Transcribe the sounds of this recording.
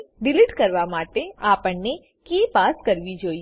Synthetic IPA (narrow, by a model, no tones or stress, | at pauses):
ɖɪliʈkəɾʋamaːʈeapəɳne | kepaskəɾʋid͡ʒoːi